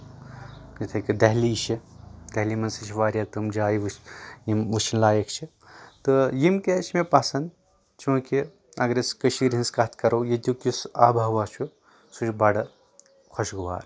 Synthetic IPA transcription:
kt̪ʰɐkid̪ɐɦliːʃʰid̪̥ɐɦliːmɐnsit͡ʃʰʋaːɾjaːt̪ɨmd͡ʒaːjiʋjimʋuʃʰinlaːjekʰt͡ʃʰi | t̪ɨjimket͡ʃʰmepɐsɐn | t͡ʃũːki | ɐɡɾeskəʃiɾɦinskɐt̪ʰkɐɾoːjet̪ʲjuːkisaːbʱaːʋaːt͡ʃʰu | sut͡ʃʲbɐɽɐ | kʰoʃɡuʋa̰ːɾ

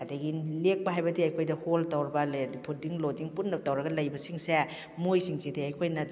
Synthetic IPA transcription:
kɐdɐɡilek̚pɐɦajbɐdiɐjkʰojdɐholtɐwɾɐbɐldipʰudiŋlodiŋpunːɐbɐtɐwɾɐɡɐlɐjbɐsiŋse | mojsiŋsidiɐjkʰojnɐ

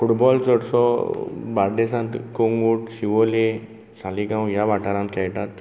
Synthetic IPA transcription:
fuʈbɔlt͡səɽsɔbaɾd̪esãnt̪koŋɡuʈɕiʋole | saliɡãw̃jaʋaʈaɾãnt̪̚kɛjʈat̪

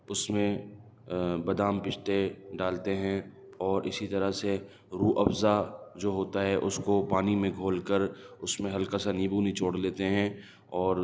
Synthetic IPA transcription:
ʊsmẽ | bɐd̪aːmpɪt͡ʃʰt̪eɖaːlt̪eɦɛ̃ | ɔːɾʔɪsit̪ɐɾəɦse | ɾuːʔɐfzad͡ʒoːɦoːt̪aɦɛʔʊskopaːnimẽɡʱoːlkəɾʊsmẽɦɐlkasanibuːnit͡ʃoːɽleːt̪eɦɛ̃ | ɔːɾ

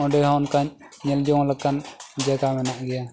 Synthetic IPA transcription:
ɔ̃ɖɛɦankaɲ | ɲɛld͡ʒɔwãlakand͡ʒaɡamɛnaʔɡɛja

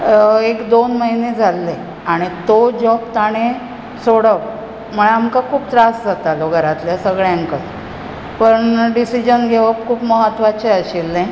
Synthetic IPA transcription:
ekd̪onməɦined͡zʱalːe | aɽ̃it̪od͡ʑɔp̚t̪aɽ̃e | soɽəʋ | m̤əɭamkakʰuːpt̪ɾasd͡zat̪aloɡʱəɾat̪ljasəɡɭjãŋkə | pəɳɖisid͡ʑənɡʱeʋəkkʰuːpməɦət̪ʋat͡ɕeəɕelnãj

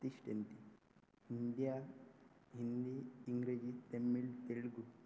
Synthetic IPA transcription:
t̪iʂʈent̪i | ind̪ijaː | ɦind̪iːŋɡɾed͡ʒit̪emːiɭt̪eɭɡu

